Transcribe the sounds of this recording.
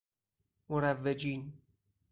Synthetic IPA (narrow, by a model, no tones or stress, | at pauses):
moɾævːed͡ʒiːn